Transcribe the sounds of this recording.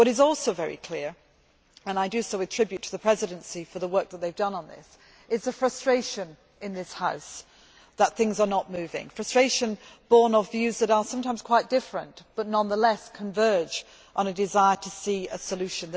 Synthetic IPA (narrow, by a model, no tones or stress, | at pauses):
wʌɾɨzɔlˠsoʊvɛɹḭkʰl̥ɪɹ | ɨ̃naɪdɨsoʊɨtʰɹ̥ɪbjʉtʰəðɨpʰɹ̥ɛzɨɾ̃nsifə˞ðəwɜ˞k̚ðət̪̚ðeɪvdʌ̃nə̃nðɪ̰s | ɨzɨfɹʌstɹ̥eɪʃɨ̃n | ɨ̃nðɪshaʊs | ðət̪̚θɪ̃ŋzə˞nət̚mʉvɪ̰̃ŋfɹʌstɹ̥eɪʃɨ̃nb̥ɔɹnəvjʉzðɨɾə˞sʌ̃mtʰãɪ̃m̥z̥kʰw̥aɪt̚d̥ɪfɹə̰̃nb̥ʌtⁿnʌ̃nðəlɛskʰə̃ɱvɜ˞d͡ʒ | ʔn̩ɨdɨzaɪə˞ɾʰɨsiɨsəlʉʃɨ̃nðɨ